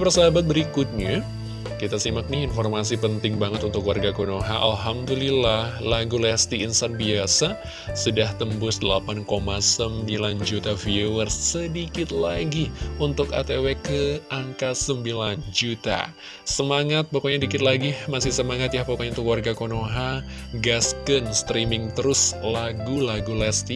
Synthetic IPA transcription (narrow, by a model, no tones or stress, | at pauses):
pərsabat̪̚bəɾikʊt̪̚ɲa | kit̪asimak̚niinfɔrmas̬ipənt̪ɪŋbaŋət̪unt̪ʊklwarɡakonoɦaʔa̰lɦamd̪ulilahlaɡulɛst̪iːnsanbiasa | sudaht̪əmbʊsdəla̰pankomasəmbiland͡ʒut̪afiowərsːədikɪt̪laɡiunt̪ʊka̰t̪ewekəaŋkasəmbiland͡ʒut̪a̰ | səmaŋat̪̚bakaɲadikɪt̪̚laɡimasɪhsəmaŋat̪̚jahpokaɲaunt̪ʊkwarɡakonoɦa | ɡaskənst̪ɾimɪŋt̪əɾʊslaɡulaɡulɛst̪i